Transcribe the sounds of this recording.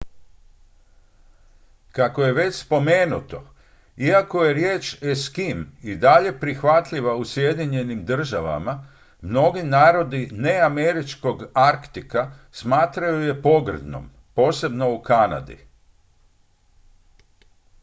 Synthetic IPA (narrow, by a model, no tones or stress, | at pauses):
kako̞je̞ʋe̞t͡ɕspo̞me̞ːnut̪o̞ | iako̞jeɾje̞ːt͡ʃeskimid̪aʎe̞pɾixʋat̪ʎiʋausje̞d̪iɲe̞nimd̪r̩ʒaʋa̰ma | mno̞ɡinaːɾo̞d̪ine̞ame̞ɾit͡ʃko̞ɡaɾkt̪ikasmaːt̪ɾajuje̞po̞ɡr̩d̪no̰m | po̞ːse̞bno̞ukana̰d̪ḭ